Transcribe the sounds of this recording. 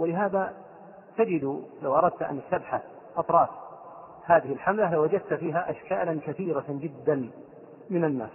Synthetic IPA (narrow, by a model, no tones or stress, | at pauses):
wɪlɪɦaːða | t̪ad͡ʒɪd̪lawʔɑɾˤɑd̪̚t̪ʔa̰nasːabħa | ʔɑt̪ˤɾˤɑːf | haːðɪhɪlħamlalawad͡ʒad̪̚t̪fiːɦaʔaʃkaːlankaθiːɾad͡ʒɪd̪ːan | mɪnanːa̰ːs